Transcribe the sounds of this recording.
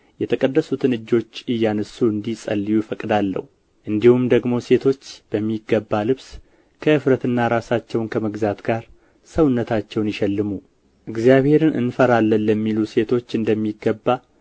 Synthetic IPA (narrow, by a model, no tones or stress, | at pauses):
jɛt̪ʰəkʼəd̪ːəsut̪ʰɨnɨd͡ʒːo̞t͡ʃːɨjːanəsuɨnd̪isʼə̰lːijufəkʼd̪alːə̰hu | ʔɨnd̪ihumd̪əɡmo̞se̞t̪ʰo̞t͡ʃːb̥əmːiɡːəbːalɨβs | kʰəɨfɾət̪ɨnːaɾasat͡ʃːɛwnkʰəməɡzat̪ɡaɾ | səwnːət̪ʰat͡ʃːɛwnjɪʃɛlːɨmu | ʔɨɡzjaβhe̞ɾɨnɨ̰nfəɾalːənːəmːiluse̞t̪ʰo̞t͡ʃːɨnd̪əmːiɡəbːa